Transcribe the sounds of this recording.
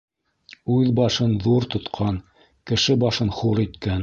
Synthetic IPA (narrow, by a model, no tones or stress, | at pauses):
ʉðbɑʃɤnðuɾt̪ŏt̪qʰɑn | kɘ̆ʃɘbɑʃɤnχuɾit̪kæn